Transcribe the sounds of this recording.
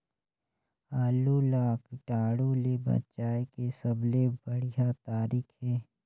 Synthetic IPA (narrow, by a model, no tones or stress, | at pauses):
aːlulaːkɪʈaːɽolebɐ̰t͡ʃaːekesəblebəɽijat̪aːɾiːkʰɦɛː